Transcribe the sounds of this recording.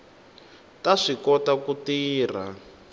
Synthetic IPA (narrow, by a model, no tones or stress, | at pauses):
taʂikɔtakutiːr̤a̰